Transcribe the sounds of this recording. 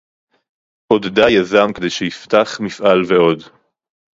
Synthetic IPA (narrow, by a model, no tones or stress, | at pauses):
ʔod̪dajazamked̪e̞jʃeift̪aχmifʔalveo̞d